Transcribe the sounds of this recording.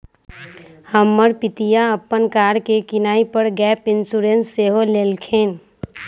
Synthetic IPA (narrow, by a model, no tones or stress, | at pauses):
həmːəɾpit̪ijaəpːənkaɾkekinaipəɾɡɛpɪnsuɾensːeɦolelkʰen